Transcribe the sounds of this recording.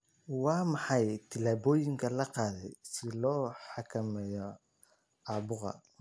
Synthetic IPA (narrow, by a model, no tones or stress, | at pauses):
wɑːmɑħɑjt̪ʰɪlaːβɔːjɪŋkʰɐlɐqɑːðɛjsɪlɔːħɑkʰɐmɛːjɔ | ʔɑːbʊqɑ̰